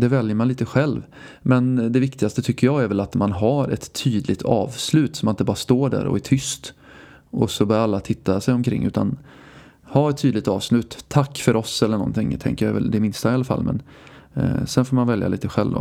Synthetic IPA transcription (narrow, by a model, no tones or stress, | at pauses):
d̪ɛvɛljəmanliːt̪əɧɛlv | mɛnd̪ɛvɪk̚t̪ɪɡast̪ət̪ʰʏkːəjɑɡæɾvɛlat̪manɦaɾɛ̰t̪ʰːyːd̪lɪɡ̚t̪ʰɑ̰ːvslʉ̟ːt̪sɔmɪnt̪əbɑːɾast̪oːɖæ̰ːɾɔ̰æʈʰʏst̪ | ʔɔsɔbœːalːat̪ʰɪt̪ʰːasɛjɔmkʰɾɪ̰ŋːʉ̟ːt̪ʰan | haɾɛt̪ʰːyːd̪lɪɡ̚t̪ɑːvslʉ̟ːt̪ʰːakːfœɾɔsɛlːəɳɔ̰nt̪ɪŋːt̪ʰɛ̰ŋkəjavɛ̰ld̪ɛmɪnst̪aɪalːafa̰lːmʔɛ̰n | sɛnfoːɾmanvɛlja̰lḭːt̪əɧɛ̰lva̰